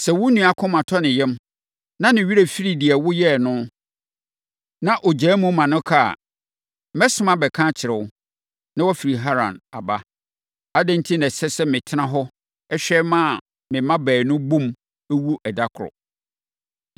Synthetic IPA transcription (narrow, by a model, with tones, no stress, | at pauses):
sɛ˨wʊ˦nũ˨a˨kʰʊ̃˦mã˨tʰɔ˦nɪ̃˨jɛ˦m | nã˦nɪ̃˨ɥi˦ɾæ˨fi˦ɾi˨di˨ɛ˨wʊ˦jɛ˦˨nʊ̃˦ | nã˦ʔɔ˨d͡ʑɛː˨˦mũ˦mã˨nʊ̃˦kʰa˦a̰˨˦ | mɛ˦sʊ˦mã˨bɛ˨kʰã˦t͡ɕʰɪ˨ɾɛ˨wʊ˦ | nã˦wɔ˦fi˨ɾi˨ɦa˦ɾã̰˨na̰˨ba˦ | a˦dɛ̃˦n˦tʰi˦nɛ̃˨sɛ˦sɛ˦mɪ̃˨tʰɪ˦nã˦ɦɔ˦ | ɛ˦ɕᶣɛ˦mã˦˨ | mɪ̃˨mã˦bɛː˨nʊ̃˦bũ˦m | æ˦wu˦ʔɛ˨da˦kʰʊ˨ɾɔ̰˨